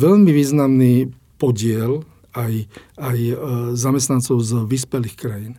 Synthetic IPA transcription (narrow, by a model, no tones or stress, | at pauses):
ʋɛʎmiʋiːznamniː | pɔɟɪɛl | ajajzamɛst̪nant͡sɔʊzʋiːspɛliːxkɾajin